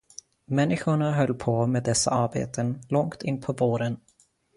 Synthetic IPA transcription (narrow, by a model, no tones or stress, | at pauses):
mɛnːɪɧʊɳaɦœlːpʰɔmeːd̪ɛsːa̰aɾbḛːt̪ʰənlɔŋkt̪ʰɪnːpʰɔvoːɾən